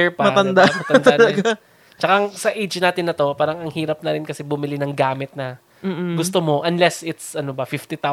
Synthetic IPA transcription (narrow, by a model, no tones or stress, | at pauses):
ɛɹpɐmɐt̪ɐnd̪amɐt̪ɐd̪alɐɡ | t͡ʃɐkaŋsɐʔejd͡ʒnaːt̪ɪnːɐt̪o̞paːɾɐŋɐŋhiːɾɐp̚nɐɾɪnkɐsɛbʊmɪlɪnɐŋɡaːmɪt̪̚nɐː | ɡʊst̪omo̞ʔɐnlɛsɪt̪sʔɐnobɐfɪft̪ɪt̪a